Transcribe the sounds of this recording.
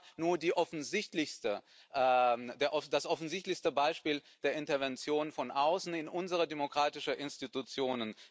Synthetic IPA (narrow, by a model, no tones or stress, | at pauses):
nuːɐdiːʔɔfn̩zɪçtlɪçstə | ʔdeːɐʔɔd̥asʔɔfn̩zɪçtlɪçstəbaɪʃpiːld̥eːɐʔɪntɐvɛnt͡sjoːnfɔnʔaʊsn̩ɪnʔʊnzəʁədemokʁ̥aːtɪʃəʔɪnstitut͡sjoːnən